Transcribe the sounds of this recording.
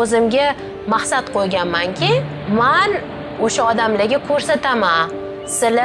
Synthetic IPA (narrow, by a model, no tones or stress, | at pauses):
ɵzɪmɡʲa | maχsat̪qʰojɡʲanmaŋkʲʰɪ | man | oʃaɒd̪amlaɡʲakʰɵɾsat̪ʰama | sɪla